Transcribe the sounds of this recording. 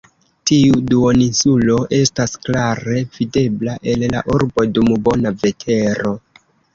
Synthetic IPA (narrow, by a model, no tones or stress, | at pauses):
tiuduoninsulo̞ʔe̞stasklaɾe̞v̥ide̞blaʔe̞lla̰ʔuɾbo̞dumbo̞nave̞tʰe̞ɾo̞